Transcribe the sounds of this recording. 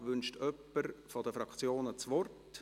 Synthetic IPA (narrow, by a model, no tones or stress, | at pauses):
ʋʏnʃtʰœpːəɾfɔd̪əfɾɑkt͡sjoːnət͡sʋɔrt